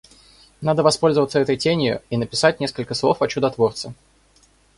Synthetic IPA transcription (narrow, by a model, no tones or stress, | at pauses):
nad̪əvɐspo̞lʲzəvət̪səɛt̪əjtʲenʲɪjʊ̰inəpʲɪsat̚ʲnʲe̞skəlʲkəslˠofɐt͡ɕʊd̪ɐt̪vo̞rt̪sə